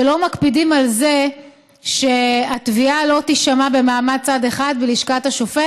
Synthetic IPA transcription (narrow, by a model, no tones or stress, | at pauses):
elo̞makpidimalze̞ | ʃe̞atvialo̞tiʃamabe̞maːmad̚t͡sade̞χad̪bliʃkataʃofe